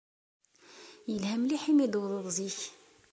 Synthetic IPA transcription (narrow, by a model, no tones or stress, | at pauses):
jəlhæmliħimid̪wðˤəðˤziç